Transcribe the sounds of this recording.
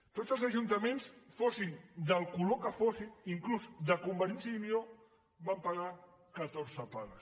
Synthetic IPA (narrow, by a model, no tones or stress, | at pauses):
t̪ozəlˠzəʒunt̪əmensfosind̪əlˠkulokəfosiniŋkluzd̪əkumbəɾinsimio | bampaɣa | kət̪oɾzəpaɣəs